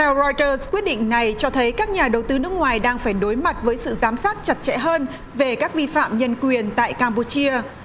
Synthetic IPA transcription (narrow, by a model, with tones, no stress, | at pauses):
t̪ʰɛ˧wzɔ˧jt̪əː˧zkwi˦˥t̚ɗḭ˧˨ŋ̟na˨˩jt͡ɕɔ˧t̪ʰə˨˦jkaː˦˥k̚ɲaː˨˩ɗə˨˩wt̪ɨ˨˦nɨ˦˥ək̚ŋwaː˨˩jɗaː˧ŋfaː˧˩jɗo˨˦jma˨˩t̚vəː˨˦jsɨ̰˧˨zaː˨˦msaː˦˥t̚t͡ɕa˨˩t̚t͡ɕɛ̰˧˥ɦəː˧n | ve˨˩kaː˦˥k̚vi˧fa̰ː˧˨mɲə˧nkwi˨˩ənt̪a̰ː˧˨jkaː˧mpu˧˩t͡ɕi˧ə